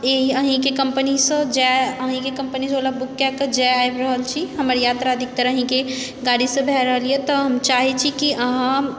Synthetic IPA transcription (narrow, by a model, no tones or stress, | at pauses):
eɦiəɦĩkekəmpənisə̃d͡ʒɛəɦĩkekəmpənisolabukːɛkːəd͡ʒɛaebɾəɦəlt͡ʃʰiɦəməɾjat̪ɾaəd̪ʱik̚t̪əɾəɦĩkeɡaɽisə̃bʱɛɾəɦəliet̪ɔɦəmt͡ʃaɦit͡ʃʰikiəɦã